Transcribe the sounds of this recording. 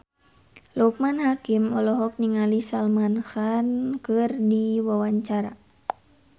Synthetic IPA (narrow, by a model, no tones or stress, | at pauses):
luk̚manhakimɔlɔɦɔk̚niŋalisalmanxankɨrdiwawaɲt͡ʃaɾa̰